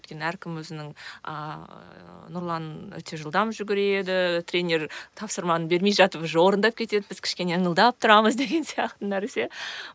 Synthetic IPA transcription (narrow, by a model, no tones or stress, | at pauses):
wɵjt̪kʲe̞næɾkʲʰɪmwɵzɪnɪŋə | nʊɾlˠɑnə̰t̪ʰeʒəlˠd̪ɑmʒʏɡʲɪɾed̪ɪt̪ɾʲenʲe̞ɾt̪ʰɑpsəɾmɑnənbe̞ɾmejʒɑt̪əpzwo̞ɾənd̪ɑp̚kʲʰe̞t̪e̞d̪ɪbɪz̥kʲʰɪ̥ʃkʲe̞neəɴəlˠd̪ɑp̚t̪ʰʊɾɑməzd̪e̞ɡʲe̞nsijɑqt̪ənæɾse̞